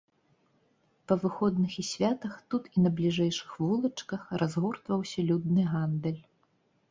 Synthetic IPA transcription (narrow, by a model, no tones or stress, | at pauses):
pɐvɨxɔd̪nɨxisʲvʲat̪ɐxt̪ut̪inɐblʲiʐɛjʂɨ̥xvulˠɐt͡ʂkɐxrʔazɣɔrt̪vɐwsʲɐlʲud̪nɨɣand̪ɛlʲ